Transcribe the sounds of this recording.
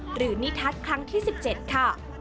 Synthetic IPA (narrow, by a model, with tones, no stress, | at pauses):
ɾɯː˩˦ni˦˥t̪ʰa˦˥t̪̚kʰɾa˦˥ŋt̪ʰiː˥˩si˨˩p̚t͡ɕe˨˩t̪̚kʰa˥˩